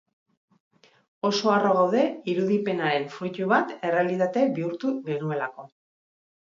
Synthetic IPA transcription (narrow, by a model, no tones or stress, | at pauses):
o̞so̞aro̞ɣ̞awðe̞iɾuðipe̞naɾe̞ɱfɾuc̪uβ̞at̪e̞re̞alit̪at̪e̞biuɾt̪uɣenue̞lako̞